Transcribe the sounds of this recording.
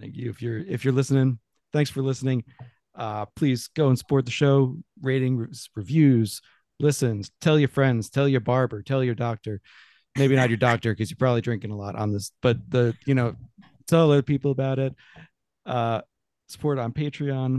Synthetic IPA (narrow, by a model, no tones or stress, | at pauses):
jʉɨfjə˞ɪfjə˞lɪsnɪ̃ŋ | θæ̃ŋksfə˞lɪsnɪ̃ŋ | ʌpʰl̥izɡ̥oʊə̃nsə̥pʰɔɹt̪̚ðɨʃoʊɹeɪɾɪ̃ŋɹz̥ɹivjʉz̥ | lɪsɨ̃nz̥tʰɛlˠjə˞fɹɛ̃ndz̥tʰɛlˠjə˞bɑɹbə˞tʰɛlˠjə˞dɔk̚tə˞ | meɪbinɨt͡ʃə˞dɔk̚tə˞kʌzjə˞pʰɹ̥ɑbəblidɹɪ̃ŋkɪ̃ŋəlɔɾn̩ðɪsb̥ʌt̪̚ðɨjɨñoʊ | tʰɛlˠʌpipl̩ˠəbaʊɾɪt̚ | ʌ | sə̥pʰɔɹɾn̩pʰeɪtɹ̥iɑ̃n